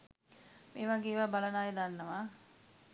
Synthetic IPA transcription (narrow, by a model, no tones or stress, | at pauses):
meːʋaɡeːʋaːbalɐnaːjed̪anːəʋaː